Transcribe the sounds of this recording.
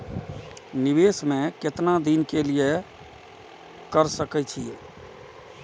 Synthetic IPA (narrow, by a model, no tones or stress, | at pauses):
niβesmeket̪nad̪inkelije | kəɾsəkɛt͡ʃʰije